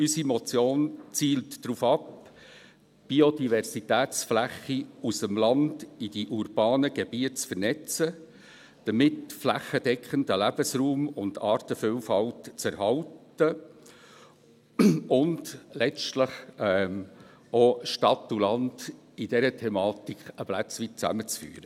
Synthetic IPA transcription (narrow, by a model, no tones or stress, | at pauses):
ysimɔt͡sjoːnt͡siːltːɾuːfɑp | b̥iodivɛɾsitɛːt͡sflæχːiusəmlɑndid̥iʔuɾb̥ɑːnəɡebiət̚t͡sfəɾnɛt͡sə | d̥əmɪtflæχəd̥ɛkχəndəlæb̥əsruːmʊndɑːɾtəfylfɑltt͡sɛɾhɑlt | ə | ʊndlɛt͡stləχɛm | oʃtɑtːulɑnd̥ | id̥ɛɾətʰɛmɑːtikχəblæt͡sʋit̚t͡sæ̰mət͡sfy̰ːɾə